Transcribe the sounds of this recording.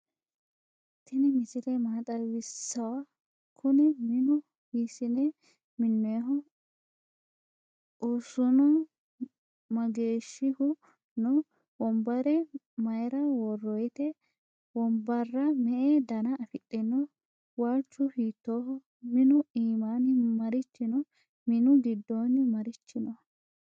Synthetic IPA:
t̪ʰːɪnɛmɪsɪlɛmaːt̪ʼɐwɪsːɐwɐ | kʰʊnɛmɪnʊ | hiːsɪnɛ | mɪnːɔɦɔ | ʊsʊnɔ | mɐɡeːʃːɪhʊ | nɔ | wɔmbɐɾɛ | mɐjɾɐwɔrːɔjt̪ɛ | wɔmbɐrːɐmɛʔed̪ɐnɐːfɪtʼːɛnːɔ | waːt͡ʃːʊhiːt̪ːoːhɔ | mɪnʊiːmaːnɪmɐɾɪt͡ʃːɪnɔ | mɪnʊɡɪd̪ːoːnɪmɐɾɪt͡ʃːɪnɔ

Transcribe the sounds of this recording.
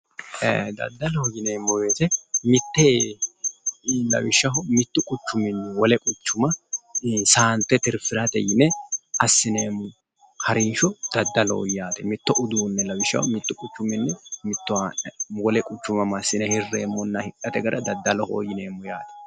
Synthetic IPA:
ḛd̪ɐ̰d̪ːɐlɔhɔjɪneːmːɔwe̞ːt̪ɛmɪt̪ːeː | lɐ̰wɪʃːɐɦɔmɪt̪ːʊkʼʊt͡ʃːʊmɪnːwɔlɛkʼʊt͡ʃːʊmɐ | saːnt̪ːɛt̪ɪɾfɪɾɐt̪ɛjɪnɛɐsːɪneːmːʊ | hɐɾɪnʃɔd̪̥ɐd̪ːɐlo̰jaːt̪ɛmɪt̪ːɔʔʊd̪uːnːɛlɐwɪʃːɐ̰hɔmɪt̪ːʊkʼʊt͡ʃːʊmɪnːɛmɪt̪ːʊwawɔlɛkʼʊt͡ʃːʊmɐmɐsɪnɛhɪrːemːɔnːɐhɪkʼːɐt̪ɛɡɐɾʔɐd̪ɐd̪ːɐlɔho̰ːjɪneːmːɔjaːt̪ɛ̥

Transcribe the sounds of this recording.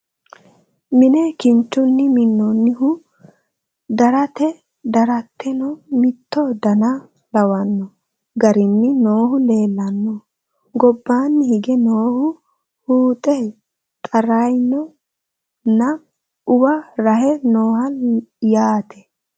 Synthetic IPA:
mɪnɛkɪnt͡ʃːʊnːɪmɪnːɔnːɪɦʊ | d̪ɐɾɐt̪ɛ | d̪ɐɾɐt̪ʰːɛnɔmɪt̪ʰːɔd̪ɐnɐ | lɐwɐnːɔ | ɡɐɾɪnːɪnoːhʊle̞ːlːɐnːɔ | ɡɔbːaːnːɪhɪɡɛnoːhʊ | huːt̪ʼɛ | t̪ʼɐɾɐjnɔ | nːɐ | ʊbɐɾɐɦɛnoːhɐjaːt̪ʰɛ̥

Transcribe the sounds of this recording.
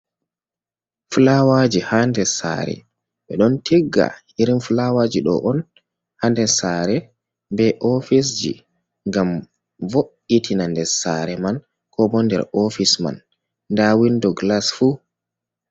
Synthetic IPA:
fulawad͡ʒihandɛsa̰ɾɛ̰ | ɓɛɗɔntʰɛɡːa̰ | iɾinfulawad͡ʒiɗɔ̰ʔɔn | handɛsaɾɛ | bɛʔɔfis̬d͡ʒḭ | ŋɡam | voʔitʰinandɛɾsaɾɛman | kʰɔbɔndɛ̰ɾɔfisma̰nː | dawindɔɡlasfu

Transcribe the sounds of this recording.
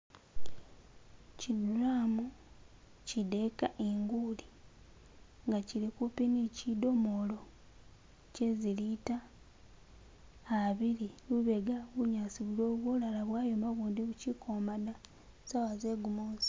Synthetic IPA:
ciduɾaːmu | cide̞kaʔeŋɡuli | ŋɡacilikupinicido̞mo̞lo̞ | cezilita | βiɾiluβe̞ɡaβuɲaːsiβulo̞ːβwoːlalaβwaːjomaβuːndeβucikʰomana | sawaze̞ɡumoːzi̥

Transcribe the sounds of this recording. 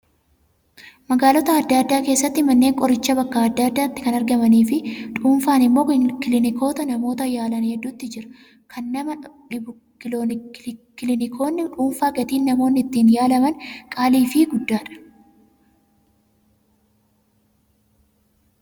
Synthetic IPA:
mɐɡaːlɔt̪ɐɐd̪ːaːd̪ːaːke̞ːsːɐt̪ːɪmɐnːe̞ːŋkʼɔɾɪt͡ʃːɐbɐkːaːɐd̪ːaːd̪ːaːt̪ːɪ̥kɐnɐɾɡɐmɐniːfɪᶑuːnfaːnɪmːo̞ːkɪlɪnɪkʰo̞ːt̪ɐnɐmo̞ːt̪ɐjaːlɐnhɛd̪ːuːt̪ːɪd͡ʒɪɾɐ̥ | kʰɐnːɐmɐᶑɪb | kɪlnkɪlɪnɪkʰoːnːɪᶑuːnfaːɡɐt̪iːnːɐmo̞ːnːɪt̪ːiːnjaːlɐmɐnkʼaːliːfɪɡʊd̪ːaːᶑɐ̥

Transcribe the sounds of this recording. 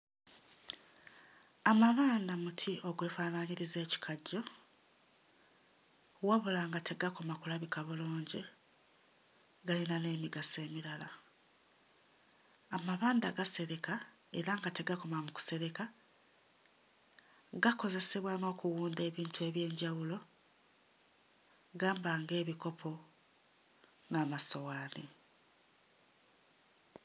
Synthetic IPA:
amaβaːndamutʰiʔo̞ɡwe̞ːfaːnaɲiɾize̞ːci̥kʰaɟːo̞ | waβulaŋɡate̞ɡako̞makulaβikaβuloːɲɟi | ɡalinane̞ːmiɡase̞ːmiɾala | amaβaːndaɡase̞ɾe̞ka | e̞ɾaŋɡateɡako̞mamuku̥se̞ɾe̞ka | ɡako̞ze̞se̞βwano̞ːkuwuːnde̞ːβiːntue̞ːβje̞ːɲɟawulo̞ | ɡaːmbaŋɡe̞ːβiko̞pʰo̞ | naːmaso̞waːni

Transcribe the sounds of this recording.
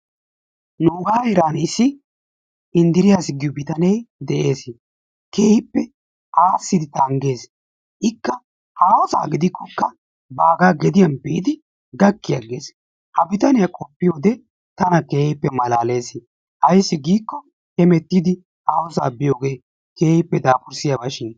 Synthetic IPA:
nuːɡaːhɛɾaːnɪsːɪ | ɪnd̪ɪɾɪjaːsɪɡɪjɔbɪt̪ɐnɛjd̪ɛʔe̞ːs | keːhɪpːɛ | aːsːɪd̪ɪt̪ɐŋɡe̞ːs | ʔɪkːɐ | haːwɔsa̰ːɡɪd̪ɪkːɔkːɐ | baːɡaːɡɛd̪ɪjɐnbɪʔɪd̪ɪ | ɡɐkːɪjɐɡe̞ːs | hɐbɪt̪ɐnɪjɐkʼɔpːɪjo̞ːd̪ɛ | t̪ɐnɐkeːhɪpːɛmɐlaːle̞ːs | hɐjsːɪɡiːkːɔ | hɛmɛt̪ːid̪ɪ | haːwɔsa̰ːbɪjo̞ːɡe̞ː | ke̞ːhɪpːɛd̪aːpʊɾsɪjɐbɐʃɪn

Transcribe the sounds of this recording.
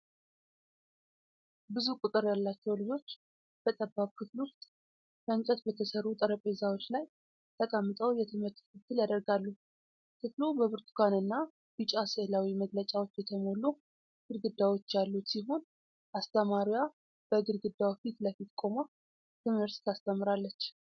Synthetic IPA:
bɨzukʼʊt̪ʼɨɾjalːat͡ʃːɛwlɨd͡ʒo̞t͡ʃː | b̥ət̪ʼəbːaβkʰɨflust̪ | fənt͡ʃʼɛt̪bət̪ʰəsərːut̪ʼəɾəpʼezawot͡ʃːlaj | t̪ʰəkʼəmːɨt̪ʼəwjɛt̪ʰɨmɨɾt̪kʰɨt̪ːɨljad̪əɾɡalːu | kʰɨflubəβɨɾt̪ʰkʰanɨnːa | b̥ɨt͡ʃʼaseʔlawiməɡlət͡ʃʼawo̞t͡ʃːjɛt̪ʰəmo̞lu | ɡ̥ɨɾɡɨd̪ːawo̞t͡ʃːjalːut̪siɦo̞n | ʔast̪ʰəmaɾja | b̥əɡɨɾɡɨd̪ːawfit̪ləfit̪kʼo̞ma | t̪ʰɨmɨɾt̪t̪ʰast̪ʰəmːɨɾalːət͡ʃː

